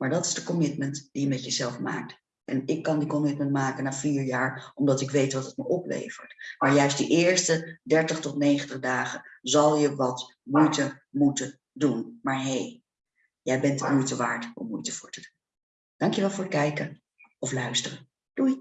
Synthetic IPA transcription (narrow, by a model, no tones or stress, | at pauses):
maːɹdɑtɪzdəkɔmɪtməntd̥ijəmɛtjəzɛlˠfma̰ːk̚t | ʔɛ̰nɪkːɑndikɔmɪtməntmaːkənaːviːɹjaːɹɔmdɑtɪkʋejtʋɑtət̚məʔɔplḛjvə̰ɹtmaːɹjœɥstdiʔɪːɹstədɛɹtəχtɔtnejχəntəχdaːχənzɑlˠjəʋɑtmujtəmutə | dunmaːɹɦej | jɛjbɛntmujtəʋaːɹtɔ̰mːujtəv̥ʊːɹtədun | d̥ɑŋkjəʋɛlˠvʊːɹət̚kɛjkə | ɔflœɥstərə | d̥uj